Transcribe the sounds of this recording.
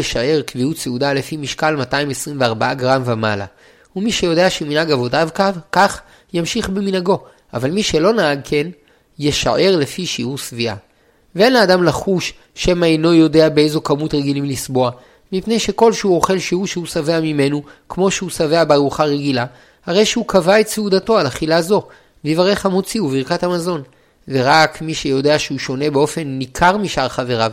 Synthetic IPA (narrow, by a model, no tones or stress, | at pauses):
eʃaʔe̞ʁkviutseudale̞fimiʃkalmataimesʁimveaʁbaaɡʁamvemala̰ | umiʃejo̞de̞aʃeminhaɡavo̞davkavkaχ | jamʃiχbeminaɡo̞ | ʔavalmiʃe̞lo̞naaɡ̚kʰen | jeʃa̰ʔe̞ʁle̞fiʃiuʁsviʔa̰ | vee̞nleːdamlaχuʃ | ʃemajno̞jo̞de̞abeejzo̞kamutʁeɡilimlisbo̞a | mipne̞jʃe̞ko̞lʃehuo̞χe̞lʃiuʁʃehusaveamime̞nukmo̞ʃeusave̞abeaʁuχaʁeɡila | haʁe̞jʃeukavaett͡seud̪ato̞alaχilazo̞ | veivaʁe̞χhamot͡siuviʁkathamazo̞n | veʁakmiʃe̞jo̞de̞aʃehuʃo̞ne̞beo̞fe̞nːikʰaʁmiʃaʁχave̞ʁav